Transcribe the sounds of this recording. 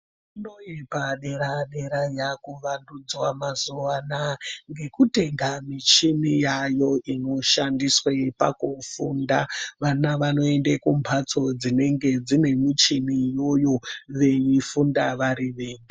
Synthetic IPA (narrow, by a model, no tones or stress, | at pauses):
inojipaɗe̞ɾaɗe̞ɾajakuʋandud͡zwamazuʋanaŋɡe̞kute̞ŋɡamit͡ʃinijajo̞ʔino̞ʃandiswepa̰kufundaʋanaʋano̞e̞ndekumpʰat͡so̞d͡zine̞ŋɡe̞d͡zine̞mit͡ʃinijo̞jo̞ʋe̞jifundaʋaɾiʋeːɲi